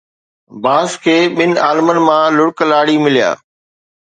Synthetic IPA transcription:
baːskʰeːɓɪnaːlmən̆mãlʊɽklaːɽimɪlija̰ː

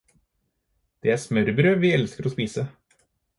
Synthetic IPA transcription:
d̪̥eːæːsmœɾbɾəʋiːɛlskəɾoːspiːsə

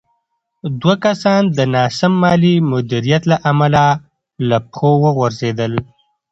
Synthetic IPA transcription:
d̪wakasɑnd̪ənɑsamːɑlimʊd̪iɾijat̪laʔamala | lapxowəɣaɾzed̪əl

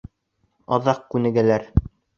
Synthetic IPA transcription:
ɑðɑq̚kʉnɘ̆ɡælæɾ

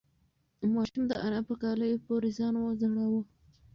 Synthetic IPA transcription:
mɑʃʊmd̪əʔanapəkɑləjopoɾezɑnwozaɽawo

